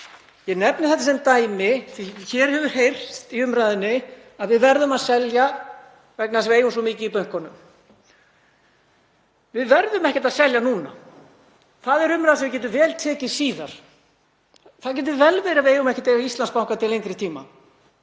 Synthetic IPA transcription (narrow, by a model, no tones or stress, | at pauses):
jɛnɛpnɪθɛht̪̬ːasɛmt̪aːjmɪθiçɛɾ̥hɛvʏɾ̥ɦejr̥t̪iʏmɾajðɪnːɪ | aðvɪðvɛɾðʏmaðsɛlja | vɛknasveːjʏmsɔmiːcɪipœɥŋ̥kɔnʏm | vɪðvɛɾðʏmɛhcɪt̪aðsɛljanuːna̰ | θaðɛɾʏmɾajðsɛmvɪcɛːt̪̬ʏvɛːlt̪ʰɛːcɪ̥siːðaɾ̥ | θaðcɛt̪̬ɪvɛlvɛːɾɪaeːjʏmɛhcɪ̥t̪ejvaist̪lanspawŋkat̪ʰɪlejŋkɾɪt̪ʰiːma̰